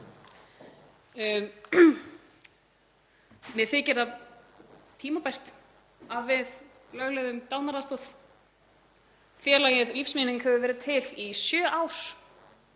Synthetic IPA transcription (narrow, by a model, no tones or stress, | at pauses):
mɛðθɪcɛɾt̪a | t̪ʰiːmapajr̥t̪ | aðvɪð | lœɣlɛðʏmt̪awnaɾast̪ɔθ | fjɛːlajɛðlifsmɪnɪnhɛvʏvɛːɾɪt̪ʰɪlisjœːʔaːwɾ̥